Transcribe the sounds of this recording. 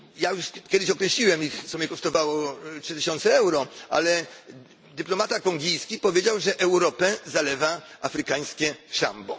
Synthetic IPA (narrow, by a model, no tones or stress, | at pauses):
jajuʂkʲɛd̪ɪɕɔkɾɛɕlʲiwɛmixt̪ɔmʲjɛkɔʂt̪ɔvawɔtʂɘt̪ɘɕɔnt̪sɛɛwɾɔa̰lɛ | d̪ɘplɔmat̪akɔŋɡʲijskʲipɔvʲjed͡ʑawʐɛʔɛwɾɔpɛzalɛvaafɾɘkaɲ̃skʲɛʂa̰mbɔ